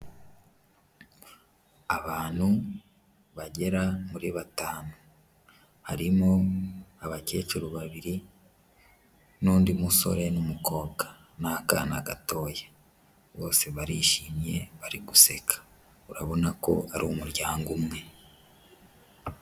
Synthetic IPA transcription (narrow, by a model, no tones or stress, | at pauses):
aβaːn̥hu | βaɟe̞ɾamuɾiβataːno | haɾimo̞aβace̞t͡ʃuɾoβaβiɾi | nuːndimuso̞̰ɾe̞numuko̞ːɡa | naka̰naɡa̰to̞ːje | βo̞ːse̞βaɾiːʃimɲe̞βaɾiɡuse̞kʰḁ | uɾaβo̞nako̞̰aɾumuɾɟaːŋɡumŋe̞